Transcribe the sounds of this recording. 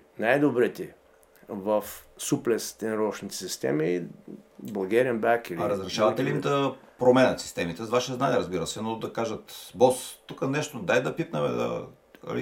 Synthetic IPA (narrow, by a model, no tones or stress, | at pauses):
najd̪obɾit̪ɛ | vɐfsuplɛst̪ɛnɾɔʃnit̪ɛ̥sist̪ɛ̰mi | bɐlˠɡɛɾiɛnbakilɾəzɾɛʃavɐt̪ɛliimd̪ɐpɾomɛnɐt̪si̥st̪ɛmit̪ɛzvaʃɛznaniɛɾəzbiɾəsɛnod̪ɐkaʒɐt̪bɔst̪ːukənɛʃt̪od̪ajd̪ɐpit̪nɐmɛ̰d̪ɐ̰ | ɐ̰lḭ